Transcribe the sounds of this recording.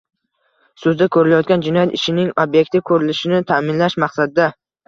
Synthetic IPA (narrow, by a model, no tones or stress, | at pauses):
sɵzd̪akʰɵɾɪlajɒt̪̚ɡʲand͡ʒɪnɒjat̪ɪʃɪnɪŋobje̞k̚ʲt̪ʰɪkʰɵɾɪlɪʃɪnɪt̪ʰamɪnlaʃmaqsad̪ɪd̪a